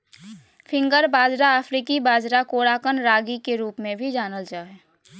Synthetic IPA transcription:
fʰɪ̃ŋɡəɾbaːd͡ʒɾaəfʰɾiːkibaːd͡ʒɾakoːɽaːkənɾaːɡikeɾuːpmẽbʱid͡ʒaːnəld͡ʒaːɛː

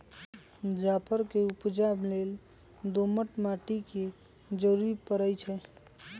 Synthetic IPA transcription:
d͡ʒapʰəɾkeupd͡ʒablel | d̪oməʈmaʈike | d͡ʒəɾuɾipəɾəjt͡ʃʰɛ

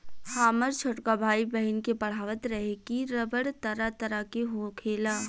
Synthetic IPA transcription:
haːməɾt͡ʃʰʊʈkabʱaːibɐɦɪnkepɐɽ̤aːʋət̪ɾɐɦekiɾɐbəɽt̪ɐɾat̪ɐɾakeɦokʰeːlaː

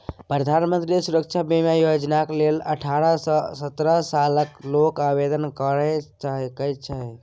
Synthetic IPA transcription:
pɾəd̪ʱanmənt̪ɾisuɾəkt͡ʃʰabimjajod͡ʒnakleləʈʰaɾəsəsət̪ɾəsaləklokabed̪ənkəɾɛt͡ʃaɦɛkəjt͡ʃʰaɦ

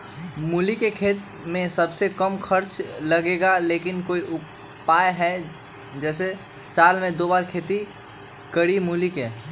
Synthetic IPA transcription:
mulikekʰeːt̪ | mẽsəbsekəmkʰəɾt͡ʃləɡeɡalekɪnkoiʔʊ | paeɦɛ | d͡ʒɛːse | saːlmẽd̪obaɾkʰeːt̪i | kəɾimulike

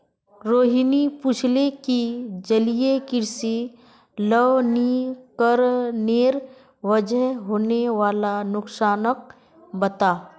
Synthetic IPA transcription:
ɾoːɦinipʊt͡ʃʰlekid͡ʒəlijekɪɾsi | ləʋnikəɾneːɾ | ʋəd͡ʒəɦɦoːneʋaːlanʊksaːnək̚ | bət̪aː

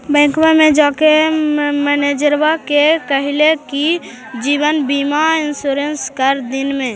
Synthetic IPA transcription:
bə̃ɪ̃kmamẽd͡ʒakemɛned͡ʒəɾbakekəɦileki | d͡ʒiːbənbimaɪnsuɾenskəɾd̪inmẽ

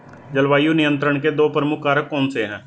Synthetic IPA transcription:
d͡ʒəlʋaːijuːnɪjənt̪ɾəɳkeːd̪oːpɾəmʊkʰːaːɾəkːɔ̃ːnseːɦɛ̃ː

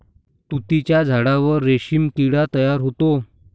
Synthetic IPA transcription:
t̪ut̪it͡ɕjad͡zʱaɽaʋəɾːeɕimkiɽat̪əjaɾɦot̪o

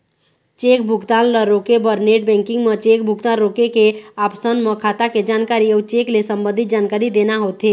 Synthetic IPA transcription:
t͡ʃeːkbʱʊɡt̪aːnləɾokebəɾneːʈ̚bɛ̃ːŋkɪ̃ŋɡmət͡ʃek̚bʱʊɡt̪anɾokekeaːpsənməkʰaːt̪aked͡ʒaːnkaɾiɔt͡ʃeklesəmbə̃nd̪ʱit̪̚d͡ʒaːnkaːɾid̪enaɦoːt̪ɦe

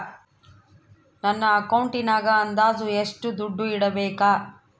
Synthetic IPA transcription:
nɐnːɐːkɐwɳʈinaːɡɐːnd̪aːd̪ueʂʈud̪uɖːuiɽɐbɛːkaː

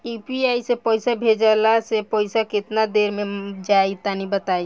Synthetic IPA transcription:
ipiaisepɔjsabʱed͡ʒəlasepɔɪsakɪt̪nad̪eɾmẽd͡ʒait̪anibət̪ai

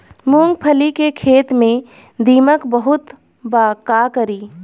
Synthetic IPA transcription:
mũːŋɡ̚pʰəlikekʰeːt̪mẽ | d̪iːməkbəɦʊt̪ | baːkaːkəɾiː

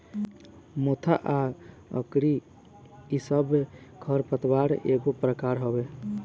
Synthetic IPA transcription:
mot̪ʰaʔa | ə̰kɾi | isəbkʰəɾpət̪baɾeɡopɾəkaɾɦobe

